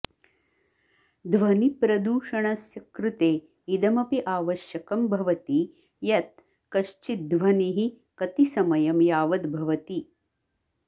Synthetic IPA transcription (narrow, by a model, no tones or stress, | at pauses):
d̪ʋɐnipɾɐd̪uːʂɐɳɐsjɐkɾut̪eː | id̪ɐmɐpiʔaːʋɐʃjɐkɐmbʱɐʋɐt̪i | jɐt̪ | kɐʃt͡ʃit̪̚d̪ʋɐniɦi | kɐt̪isɐmɐjɐmjaːʋɐd̪bʱɐʋɐt̪i